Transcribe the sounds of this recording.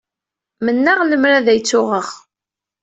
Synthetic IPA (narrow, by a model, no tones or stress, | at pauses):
mənːaʁləmɾaðæjt͡sːʊʁəʁ